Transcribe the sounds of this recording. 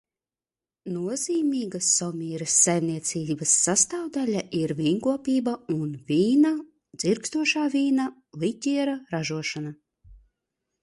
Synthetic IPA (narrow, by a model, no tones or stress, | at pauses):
nuɔziːmʲiːɡasːɔmʲiːɾɐsːajmniɛt̪siːbasːast̪awd̪alʲaʔiɾvʲiːŋkuɔpʲiːbaunvʲiːna | d̪z̥iɾkst̪uɔʃaːvʲiːna | lˠit̪ʲiɛɾaɾaʒuɔʃana